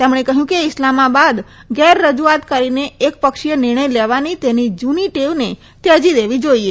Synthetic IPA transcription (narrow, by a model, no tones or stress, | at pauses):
t̪emɽ̃ekəɦjũkeɪslamabad̪ɡɛɾːəd͡ʒuat̪kəɾineek̚pəkʃijənɪɾɳ̃əjleʋanit̪enid͡ʒuniʈeʋne | t̪jəd͡ʒid̪eʋid͡ʒoie